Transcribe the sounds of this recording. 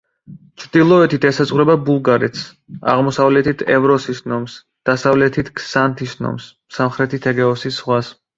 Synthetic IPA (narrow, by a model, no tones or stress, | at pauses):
t͡ʃʰɾd̪ilˠɔɛt̪ʰit̪ʰɛsazʁuɾɛbabulˠɡaɾɛt̪ʰs | a̰ʁmɔsavlɛt̪ʰit̪ʰɛvɾɔsisnɔms | d̪̥asavlɛt̪ʰit̪ʰksant̪ʰisnɔ̰ms | samχɾɛt̪ʰit̪ʰɛɡɛɔsisʁwas